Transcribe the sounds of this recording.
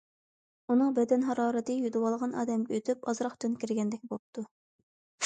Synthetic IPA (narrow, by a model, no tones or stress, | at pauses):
unɨŋbɛd̪ɛnɦɑɾɑːɾɛt̪ɨjyd̪ɨwɑlˠʁɑnɑ̰ːd̪ɛmɡʲɛøt̪ʰypɑzɾɑχt͡ʃ̪ynkʲiɾɡʲɛnd̪ɛk̚ʲbop̚t̪ʰu